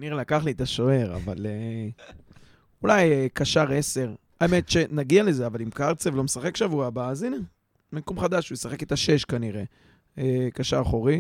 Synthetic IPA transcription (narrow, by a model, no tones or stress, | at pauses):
niʁelakaχliet̪aʃo̞e̞ʁa̰va̰le | ulajekaʃaʁe̞se̞ʁ | aeme̞t̪ʃe̞naɡiale̞zeavalimkaʁt͡sevlo̞mesaχe̞kʃavuabaːzina | mekomχad̪aʃujesaχe̞ket̪aʃe̞ʃkaniʁe̞ | ekaʃaʁχo̞ʁi